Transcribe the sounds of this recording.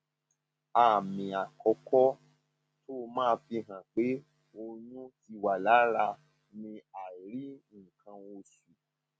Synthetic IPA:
a˨mĩ˨a˨kɔ˧kɔ˦ | to˦˧mãː˦˧fi˧ɦã˨k͡pe˨˦ | o˧jũ˦ti˧wa˨la˨˦ɾa˧ | nĩ˧a˨ɾi˦˨kã˧o˧su˨

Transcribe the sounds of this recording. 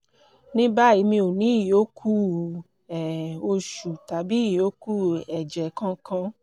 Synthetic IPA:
nĩ˦ba˦i˧mĩ˧o˨nĩ˨˦i˨jo˨˦kʰu˦ | ɛ˨o˧ʃu˨ta˨bi˨˦˨jo˨˦ku˦ɛ˨d͡ʒɛ˨˦kã˧kã˧

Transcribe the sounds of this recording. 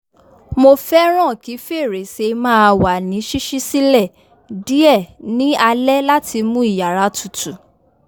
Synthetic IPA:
mo˧fɛ˦ɾ̃ã˦˨ki˨˦fe˦˨ɾe˨se˧mãː˦˧wa˨nĩ˨˦ʃi˦ʃi˦si˦lɛ˦˨ | di˦ɛ˦˨nĩ˦a˧lɛ˦la˦ti˧mũ˦i˦˨ja˨ɾa˨˦tʰu˨tu˨

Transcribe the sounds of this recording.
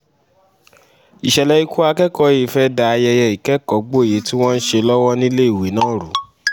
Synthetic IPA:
i˨ʃɛ˨lɛ˧i˦ku˦a˧kɛ˦kɔ˧˦e˨fɛ˦da˧jɛ˧jɛ˧i˨kɛ˨˦kɔ˨˦ɡ͡bo˦˨je˨˦ti˦w̃ɔ̃˦n̩˦ʃe˧lɔ˦wɔ˦nĩ˦le˦i˨we˨˦nãː˦ɾu˨˦

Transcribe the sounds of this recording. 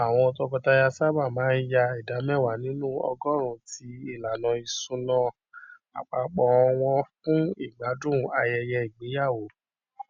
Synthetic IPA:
a˨w̃ɔ̃˧o˧tɔ˧ɡɔ˧ta˧ja˧sa˦ba˦˨mãː˨˦n˦ja˧i˨da˨˦mɛ˦˨wa˨nĩ˨˦nũ˦ɔ̰˧ɡɔ˦ɾ̃ũ˧˦ti˨˦i˦˨la˨nɔ̃˧i˧sũ˧nɔ̃˧ | a̰˨k͡pa˨˧k͡pɔ˨˧˦w̃ɔ̃˧fũ˦i˦˨ɡ͡ba˨˦dũ˦˨a˧jɛ˧jɛ˧i˨ɡ͡be˨˦ja˦˨wo˨

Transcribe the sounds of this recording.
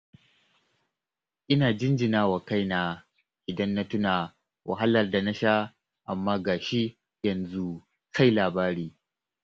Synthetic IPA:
ʔɪ˦naː˨d͡ʒɪ˦nd͡ʒɪ˨naː˦wa˨ka˦jnaː˨ | ʔɪ˨dɐ˦nːa˦tʊ˦naː˨ | wʔa̰˨ɦa˦lɐ˨rda˨na˦ʃa˦ | ʔa˨mːaː˦ɡaː˨ʃi˦ | jɐ˨nzu˦ | ka˦jlaː˨baː˦ɾiː˦

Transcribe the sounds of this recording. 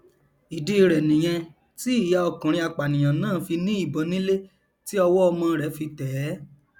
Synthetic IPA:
i˨di˧i˧ɾɛ˨nĩ˨j̃ɛ̃˧ | ti˦i˦˨ja˨˦ɔ˧kã˨ɾ̃ĩ˧a˨k͡pa˨nĩ˨j̃ã˨nãː˦˨fi˧nĩ˦i˦˨bɔ˨˦nĩ˦le˦ | ti˦ɔ˧wɔ˦ɔ˧mã˧ɾɛ˨˦fi˧tɛ˨˦

